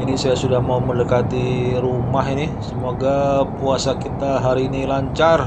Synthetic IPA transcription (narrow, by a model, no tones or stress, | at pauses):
inisajasudahmaumələkat̪iɾumaɦinisəmoɡapuasakit̪aɦaɾiːnilaɲt͡ʃar